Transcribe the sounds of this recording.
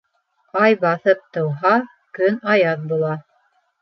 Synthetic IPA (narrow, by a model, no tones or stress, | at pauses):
ɑjbɑθɤp̚t̪ɤ̆wɦɑ | kɵnɑjɑðbulˠɑ